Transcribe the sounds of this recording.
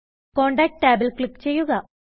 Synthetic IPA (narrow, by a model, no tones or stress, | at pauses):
ko̞ːɳɖaːk̚ʈʈːaːbɐlkɭikːt͡ɕe̞jːuɣɐ